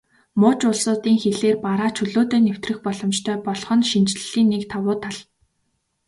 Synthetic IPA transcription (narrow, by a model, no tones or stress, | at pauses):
mʊːt͡ɕʊɮsʊːt̪iːŋxeɮeːrpaɾaːt͡ɕʰɵɮoːt̪eːnew̥t̪rɘ̆xpɔɮɞ̆mt͡ɕt̪ʰœːpɔɮχɞ̆nʃint͡ɕɮɮiːnːekt̪ʰawʊːt̪ʰaɮ̥